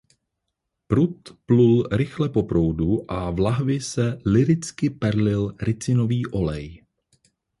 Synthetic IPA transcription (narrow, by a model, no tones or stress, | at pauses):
pɾut̪plulɾɪxlɛpo̞pɾo̞wduʔavlaɦvɪsɛlɪɾɪt͡skɪpɛɾlɪlɾɪt͡sɪno̞viːʔo̞lɛj